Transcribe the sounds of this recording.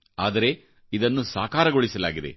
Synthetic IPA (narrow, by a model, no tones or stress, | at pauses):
aːd̪ɐɾe̞ | id̪ɐnːusaːkaːɾɐɡoɭisɐlaːɡid̪e̞̰